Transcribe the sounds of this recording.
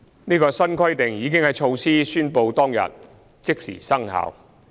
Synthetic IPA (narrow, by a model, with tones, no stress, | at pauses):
niː˥kɔː˧sɐ˥nkʰwɐ˥jt̪ɪ˨˩ŋjiː˨˧k̬ɪ˥ŋhɐ˨jt͡ʃʰo˧wsiː˥syː˥npo˧wt̪ɔː˥ŋjɐ̰˨t̚ | t͡sɪ˥k̚sḭː˨˩sɐ˥ŋɦa̰ː˨˧w